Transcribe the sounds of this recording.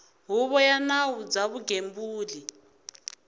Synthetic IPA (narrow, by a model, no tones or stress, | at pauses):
ɦuβɔjanawud͡zaβuɡembuːli